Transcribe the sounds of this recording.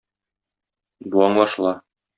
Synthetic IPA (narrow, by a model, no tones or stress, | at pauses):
buɑɴlˠɑʃlˠɑ